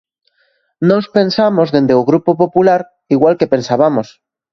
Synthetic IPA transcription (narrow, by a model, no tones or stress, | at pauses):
nospe̞nsamo̞zðe̞nd̪euɣɾupopopulaɾ | iɣwalke̞pe̞nsaβamo̞s